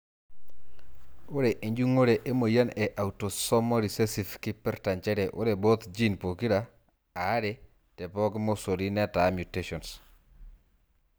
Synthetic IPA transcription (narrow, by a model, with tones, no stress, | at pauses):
ʊ˦ɾe˨ʔe˨ɲd͡ʒu˦ŋo˦ɾe˨ʔe˦mo˨ja˦nɛ˨ʔa˨u˨to˨sɔ˦mɔ˦ɾi˨se˦si˨fkɪ˦pɛ˦ɾta˨nt͡ʃɛ˦ɾe˨ʔʊ̰˦ɾe˨bo˦t̪d͡ʒi˦npo˨ki˦ɾa˨ | a˨˦ɾe | tɛ˨pɔ˦ɡmo˦so˨ɾi˦nɛ˦ta˨mju˨te˦ʃɔ˨ns